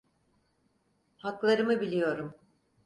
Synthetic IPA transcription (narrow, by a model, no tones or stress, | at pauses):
haklˠaɾɯmɯbilʲijo̞ɾum